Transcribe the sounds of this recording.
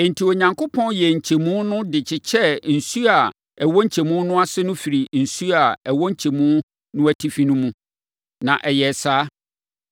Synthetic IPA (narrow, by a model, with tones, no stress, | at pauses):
n̩˨tʰi˨o˨ɲã˨ŋkʰo˦pʰɔ̃˦njɛ˨ɲ̩˨t͡ɕʰe˨mũ˦nʊ̃˦dɪ˨t͡ɕʰɪ˨t͡ɕʰɛ˦n̩˨su˦a˨ | ɛ˨wɔ˦ɲ̩˦t͡ɕʰe˨mũ˦nʊ̃˦a˦sɪ˦nʊ̃˦fi˨ɾi˨n̩˨su˦a˨ɛ˨wɔ˦ɲ̩˦t͡ɕʰe˨mũ˦ | nʊ̃˦æ˦tʰi˦fĩ˦nʊ̃˦mũ˦ | nã˨ʔɛ˨jɛ˨saː˦